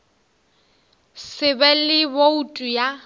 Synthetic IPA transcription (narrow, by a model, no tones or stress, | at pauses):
sɪbɛlɪboutʼuja